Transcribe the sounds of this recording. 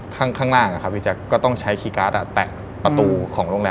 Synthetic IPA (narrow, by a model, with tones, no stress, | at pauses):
kʰaː˥˩ŋkʰaː˥˩ŋnaː˥˩ŋʔa˨˩kʰa˦˥p̚ʰi˦˥˩t͡ɕaː˧˩kɔː˥˩t̪ɔ˥˩ŋt͡ɕʰa˦˥jkʰiː˧kaː˦˥t̪̚ʔa˧˩t̪ɛː˨˩ | pa˧t̪uː˧kʰɔː˩˦ŋɾu˥˩ŋlɛː˧